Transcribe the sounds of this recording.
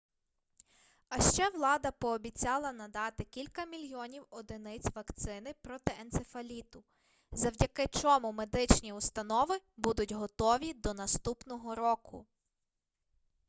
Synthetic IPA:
ɐʃt͡ʃɛʋlˠɑd̪ɐpɔːbʲit͡sʲɑlˠɐnɐd̪ɑt̪ɪkʲilʲkɐmʲilʲjɔnʲiwɔd̪ɪnɪt͡sʲʋɐkt̪sɪnɪpɾɔt̪ɪʔɛnsefɐlʲit̪ʊ | zɐwdʲɐkɪt͡ʃɔmʊmed̪ɪt͡ʃnʲiust̪ɐnɔʋɪbud̪ʊtʲɦɔt̪ɔʋʲid̪ɔnɐst̪upnɔɦɔɾɔkʰʊ̰

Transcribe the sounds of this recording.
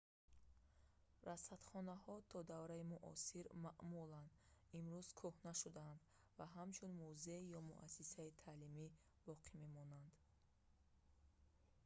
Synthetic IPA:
ɾasat̪χɔnahɔt̪ʰɔd̪avɾaimuʔɔ̰siɾmaʔmuland̪imɾuz̥kʰuhnaʃud̪aːnd̪ | vaɦamt͡ʃʰunmuzejɔmṵʔa̰sisait̪ʰalimi | bɔqʰime̞mɔnand̪

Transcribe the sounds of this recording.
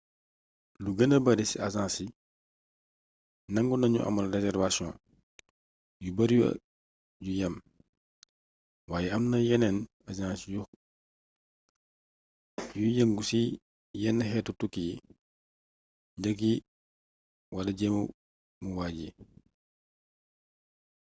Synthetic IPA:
luɡɐnɐbɐɾisiɐzãːsi | nɐŋɡunɐɲṵʔɐ̰mɐlrɛzɛrvasjɔ̰̃ː | jubɐɾjṵ | jujɐm | waːjɛɐmnɐjɛnɛn | azãːsiju | jujɐŋɡusi | jɛnːɐɦɛːtːutukːiji | ɟɐk̬i | wɐlɐɟɛmu | muwaːɟi

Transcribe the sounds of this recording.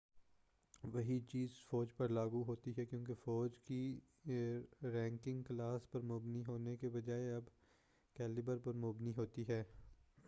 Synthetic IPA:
ʋɐɦit͡ʃiːzfɔːd͡ʒpɐɾlaːɡuɦoːt̪iɦɛkjõːk̬efɔːd͡ʒki | ɾɛ̃ːŋkɪ̃ŋɡklaːspɐɾmʊbniɦoːnekebɐd͡ʒaːeɐb | kɛːlɪbəɾpɐɾmʊbniɦoːt̪iɦɛː

